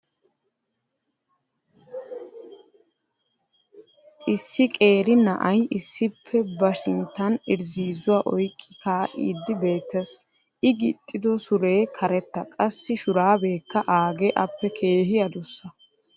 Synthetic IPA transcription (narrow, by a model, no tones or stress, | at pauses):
ʔɪsːɪkʼe̞ːɾɪnɐ̰ʔɐjʔɪsːɪpʰːɛbɐʃɪnt̪ːɐnɪɾziːzʊwaːʔɔjkʼːɪ̥kaːʔḭːd̪ːɪbe̞ːt̪ːɐs | ɪɡɪt̪ʼːɪd̪ɔsʊɾe̞ːkʰɐɾɛt̪ːɐkʼɐsːɪʃʊɾaːbe̞ːkːɐʔaːɡeʔɐpːɛkʰe̞ːɦɪjɐd̪ʊsːɐ